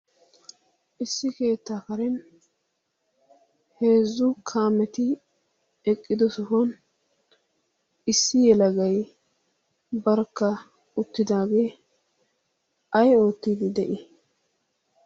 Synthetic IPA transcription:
ʔɪsːɪke̞ːt̪ːaːkɐɾɛn | he̞ːzːʊkʰaːmɛt̪ɪ | ɛkʼːɪd̪ɔsɔfɔn | ɪsːɪjɛlɐɡɐj | bɐɾkːɐ | ʊt̪ːɪd̪aːɡe̞ː | ɐjo̞ːt̪ːiːd̪ɪd̪ɛʔɪ

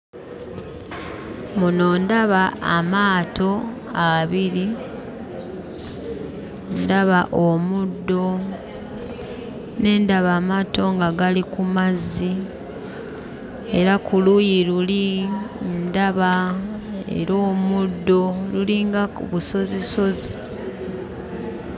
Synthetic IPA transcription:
muno̞ːndaβaːmaːtʰo̞ | aβiɾi | ndaβaʔomudːo̞ | ne̞ːndaβaːmaːto̞ŋɡaɡalikumazːi | e̞ɾakulujiɾuli | ndaβa | e̞̰ɾo̞ːmudːo̞luliːŋɡaβuso̞ziso̞zi

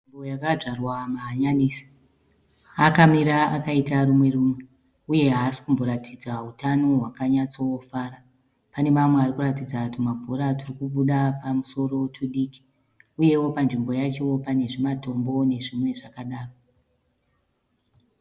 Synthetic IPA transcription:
imbojakaʐarwamaːɲaniːsi̥ | akamiɾaakaitaɾumwe̞ruːmwe̞ | uje̞ɦaːsi̥kumbo̞ɾatʰid͡zaɦutano̞ɦwakaɲat͡so̞wofaːɾa | pane̞mamwearikuratid͡zakutimabʱoɾaturikuɓuɗapamuso̞ɾo̞tʰuɗiːki̥ | uje̞wo̞panʐimbo̞jat͡ʃe̞wo̞pane̞ʐimato̞mbo̞ne̞ʐimwe̞ʐakaɗaːro

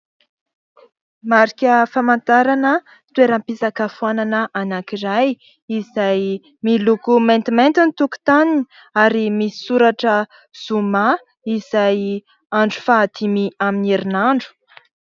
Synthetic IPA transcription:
maɾikʲəfamant̪aɾanə | t̪ueɾampizakafuananəʔanakiɾaj | izaj | milukument̪iment̪init̪uku̥t̪anini | aɾimii̥suɾaʈ͡ʂə | z̥uma | iz̥aj | aɳɖ͡ʐu̥fad̪imiaminiɾinaɳɖ͡ʐu̥

